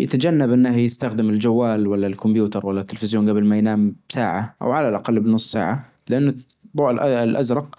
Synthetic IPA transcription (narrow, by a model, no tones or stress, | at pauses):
ja̰t̪ad͡ʒanːabʔɪnːahjɪst̪axd̪ɪmɪld͡ʒawːaːlwalːalkʊmbjuːt̪ɑɾˤwalːat̪ːɪlfɪzjoːnɡabɪlmajnaːmb̥saːʕaʔa̰wʕalalʔaqalːbɪnʊsˤːa̰ːʕalɪʔanːʊboːlʔɪlʔazɾˤɑq̚